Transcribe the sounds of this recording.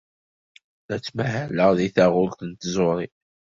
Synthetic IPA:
æt͡sːmæɦæləʁðiθæʁʊlt̪ənt̪zʊɾˤi

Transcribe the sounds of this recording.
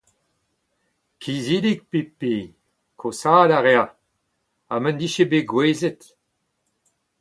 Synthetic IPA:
kʰizilik̚pepe | kʰosaːlaʁea | amə̃nd̪iʃebeɡweːzet

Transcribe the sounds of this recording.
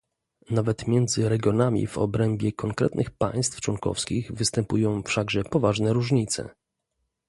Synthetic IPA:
navɛt̪mʲjɛnd̪zɘɾɛɡʲjɔnamʲḭvɔ̰bɾɛmbʲjɛkɔŋkɾɛ̰t̪nɘxpa̰j̃st̪ft͡ʂwɔŋkɔ̰fskʲiɣvɘst̪ɛmpujɔ̃w̃fʂaɡʐɛpɔvaʐnɛɾuʐɲit̪sɛ̰

